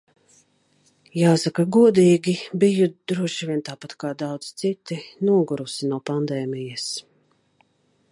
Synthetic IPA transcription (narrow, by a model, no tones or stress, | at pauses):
jaːsakaɡuɔd̪iːɡʲibijud̪̥ɾuɔʃivʲiɛnt̪aːpat̪kaːd̪awd̪z̥t̪sit̪inuɔɡuɾusinuɔpand̪ɛːmijɐs